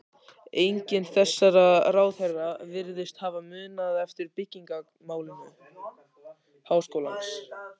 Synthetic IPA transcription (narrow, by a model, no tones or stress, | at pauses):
ejɲcɪnθɛsːaɾaraːwθɛrːavɪɾðɪst̪havamʏːnaðɛft̪ɪɾpɪcːiŋka | maːwlɪnʏ̰ | haːwskowlans